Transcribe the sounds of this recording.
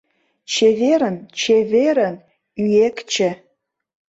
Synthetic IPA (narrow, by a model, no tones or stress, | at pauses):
t͡ʃʰeveɾənt͡ʃʰevʲeɾən | yekt͡ʃʰə